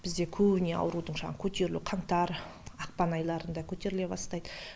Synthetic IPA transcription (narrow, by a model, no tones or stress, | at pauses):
b̥ɪzd̪e̞kʲʰɵbɪne̞ɑ̰wɾud̪əɴʃɑʁkʲʰɵt̪e̞ɾɪlṵqʰɑɴt̪ɑɾɑq̚pɑnɑjlˠɑɾənd̪ɑkʲʰɵt̪e̞ɾɪle̞bɑ̰st̪ɑjd̪ə